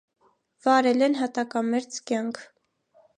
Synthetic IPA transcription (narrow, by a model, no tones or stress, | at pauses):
vɑɾɛlɛnɦɑt̪ɑkɑmɛɾt͡skjɑŋkʰ